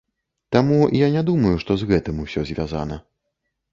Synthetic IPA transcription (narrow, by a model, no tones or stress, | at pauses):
t̪amujanʲɛd̪umɐjuʂt̪ɔzɣɛt̪ɨmusʲɔzʲvʲaza̰nɐ